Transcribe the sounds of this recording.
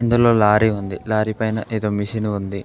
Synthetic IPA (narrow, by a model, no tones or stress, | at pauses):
ind̪ulo̞ːlaːɾiund̪ilaːɾipɐjnɐʔeːd̪oːmiʃiniund̪i